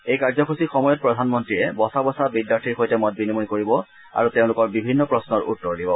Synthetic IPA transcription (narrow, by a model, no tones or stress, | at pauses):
ejkaɹzɔkʰusixɔmɔjɔt̚pɹɔdʱanmɔntɹiɹɛbɔsabɔsabidjaɹtʰiɹxojtɛmɔt̚binimunkoɹibɔ | a̰ɹuteʊ̃lʊkɔɹbibʱinːɔpɹɔsnɔɹṵtːɔɹdibɔ